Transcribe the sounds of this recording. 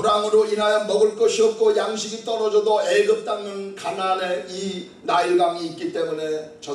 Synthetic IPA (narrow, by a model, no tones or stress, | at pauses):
uɾaŋɯɾoinajʌmʌɡɯɭk͈ʌɕʰiʌp̚k͈ʰojaŋɕʰiɡit͈ʌɾʌd͡ʑʌdoeɡɯp̚t͈aŋnɯnkanane̞i | naiɭɡaŋiːt̚k͈it͈e̞mune̞t͡ɕʌ